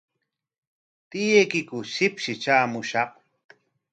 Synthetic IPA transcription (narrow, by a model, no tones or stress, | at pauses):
t̪ɪjejkɪkʊsɪpʃɪt͡ʃaːmʊʃɑq